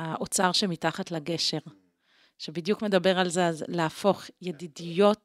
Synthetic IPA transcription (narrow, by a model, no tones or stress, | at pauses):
aʔot͡saʁʃemitaχatlaɡe̞ʃe̞ʁ | ʃebidjukme̞dabe̞ʁalzeazleafo̞χjedidijo̞t